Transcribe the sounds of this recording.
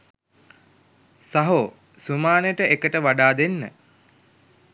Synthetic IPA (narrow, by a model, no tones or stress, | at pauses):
saɦo | sumaːnejəʈəʔekəʈəʋaɖaːd̪enːə